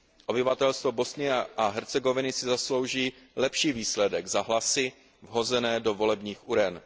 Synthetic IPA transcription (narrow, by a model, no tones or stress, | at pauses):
ʔo̞bɪvat̪ɛlst̪vo̞bo̞snɪjɛʔaɦɛɾt͡sɛɡo̞vɪnɪsɪzaslo̞wʒiːlɛpʃiːviːslɛdɛɡzaɦlasɪ | vɦo̞zɛnɛːdo̞vo̞lɛbɲiːxʔuɾɛn